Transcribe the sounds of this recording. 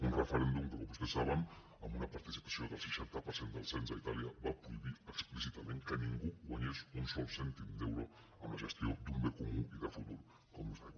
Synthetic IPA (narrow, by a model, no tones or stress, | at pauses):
unrəfəɾend̪umkəkombust̪esaβəm | əmbunapaɾt̪isi̥pḁsioðəlˠsəʃant̪apəɾsend̪əlˠsenzait̪aliaβapɾuiβiəksplisit̪amẽŋkəniŋɡuɣwaɲesunsɔlsɛnt̪imd̪ewɾo | əmlaʒəst̪iod̪umbekumuiðəfut̪ul | komuze